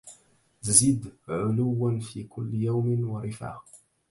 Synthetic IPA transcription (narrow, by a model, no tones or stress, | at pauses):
zɪd̪ʕʊlʊwːanfiːkʰʊlːɪjawmɪnwɑɾˤɪfa̰ːh